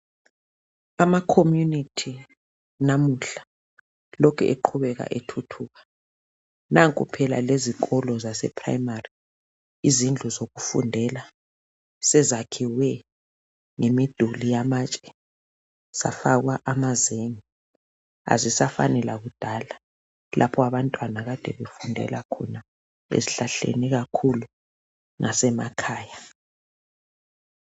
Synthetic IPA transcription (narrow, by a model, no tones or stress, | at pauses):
amakʰomjunitʰi | namuɬḁ | lɔkʰɛ̰ʔeǃʰuβɛɣ̬a̰ʔetʰutʰuːɣḁ | naŋkʼupʰɛla̰lezikʰʼɔlɔzasɛ̰pʰra̰jmari | izind͡ɮʱuzoɣufṵndʱɛla | sɛzakʰiwɛ | ŋemid̥ʱulijamat͡ʃʼɛ̥ | sa̰faɣwaʔamazeŋi | a̰zisafa̰nɛlaɣud̥ʱala | lʔapʰɔaβantʼwanaɣad̥ʱɛβefundʱɛ̰lakʰɔna | ḛziɬaɬḛniɣakʰulu | ŋasɛma̰kʰaːja